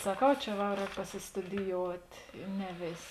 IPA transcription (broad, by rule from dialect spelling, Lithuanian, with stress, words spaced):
sɐˈkɐʊ ˈt͡ʃʲɛ ʋɐ ˈrʲɛːk pɐsʲɪstʊdʲɪjoːʊtʲ ɪ ˈnʲɛ ˈʋʲeːsʲ